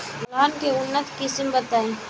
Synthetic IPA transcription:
laːnkeʊnːət̪kɪsmbət̪aːẽː

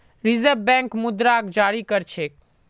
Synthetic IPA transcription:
ɾɪzəɾʋbɛ̃ːŋkmʊd̪ɾaːkd͡ʒaːɾikəɾt͡ʃʰeːk

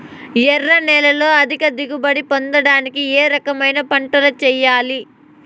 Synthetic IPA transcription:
jɛrːɐnɛlɐlo̞ːɐd̪ʱikɐd̪iɡubɐɽipond̪ɐɽaːnikieːɾɐkɐmɐjnɐpɐɳʈɐlɐt͡ʃɛːjaːli

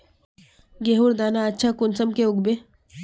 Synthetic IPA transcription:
ɡeːɦuɾd̪aːnaɐtːʃʰakʊnsəmkeʊɡbe

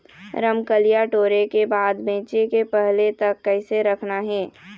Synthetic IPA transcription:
ɾəmkəlijaʈoːɾekebaːd̪bẽːt͡ʃekepɛɦlet̪ɐkːɛɪseɾəkʰnaɦɛ̃ː

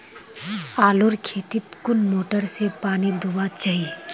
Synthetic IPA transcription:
aːlʊɾkʰeːt̪ɪt̪kʊnmoːʈəɾsepaːnid̪ʊbat͡ʃaɦi

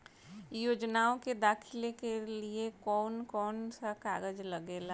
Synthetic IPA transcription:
joːd͡ʒnaːõked̪aːkʰɪlekeliekɔːnkɔːnsaka̰ːɡəd͡ʒlɐɡeːla

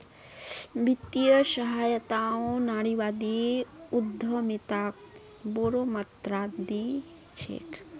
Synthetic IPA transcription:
bit̪ijəʃɐɦaːjət̪aõnaːɽiʋad̪iud̪ʱːəmit̪ak̚ | boɾomɐt̪ɾad̪i | t͡ʃʰḛːk

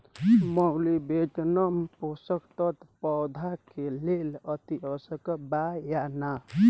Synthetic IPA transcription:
mɔwlibed͡ʒnəmposəkt̪ət̪pɔwd̪ʱakelelət̪iʌsəkbajana

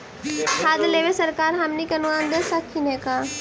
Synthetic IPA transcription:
haːd̪leʋesɐɾkaːɾɦɐmnikɐnʋãnd̪esakʰːinẽkaː

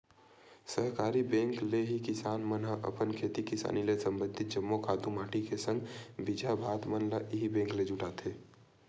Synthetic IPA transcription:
səɦkaːɾibẽːŋkleɦikɪsaːnmənɦəʔə̰pənkʰeːt̪ikɪsa̰ːnilesə̃mbənd̪ʱɪt̪̚d͡ʒəmːokʰaːd̪umaːʈikesə̃ŋɡbid͡ʒʱabʱaːt̪mənlaʔiɦibẽːŋkled͡ʒʊʈaːt̪ʰeː

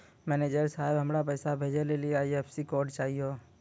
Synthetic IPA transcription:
mɛːneːd͡ʒəɾsaːɪbɦɐmɾap̬ɛːsabʱeːd͡ʒelelieaipsikɔːɾɖt͡ʃaːɦioː

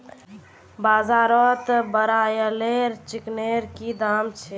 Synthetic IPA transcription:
bazaɾɔt̪bəɾajəleɾt͡ʃikneɾkid̪amt͡ʃʰɛ

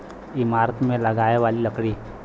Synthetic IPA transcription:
ɪmaːɾət̪mẽlɐɡaːeʋaːliləkɽiː

